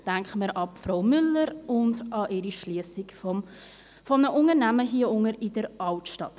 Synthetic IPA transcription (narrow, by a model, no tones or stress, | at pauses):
d̥æŋkəməɾɑpfroʊmʏlːəɾʊndɑʔɪɾiʃliəsɪk | fɔmnəʔʊŋəɾnæməɦiəʊŋəɾɪdəɾʔɑltʃtɑt